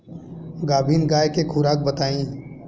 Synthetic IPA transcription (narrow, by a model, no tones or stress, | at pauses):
ɡaːbʱiːnɡaːekekʰʊɾaːk̚bət̪aːĩː